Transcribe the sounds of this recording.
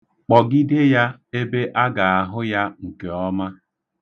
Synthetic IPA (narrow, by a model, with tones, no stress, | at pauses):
k͡pɔ˨ɡi˦de˦ja˦e˦be˦ʔa˦ɡa˨a˨ɦʊ˦ja˦ŋ̩˨ke˨ɔ˦ma˦